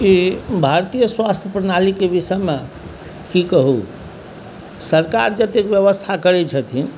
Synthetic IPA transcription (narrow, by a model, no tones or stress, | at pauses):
ibʱaɾt̪ijəswast̪ʰjəpɾənalikebisəme | kikəɦṵ | səɾka̰ɾd͡ʒət̪ekbjəβəst̪ʰakəɾɛt͡ʃʰət̪ʰin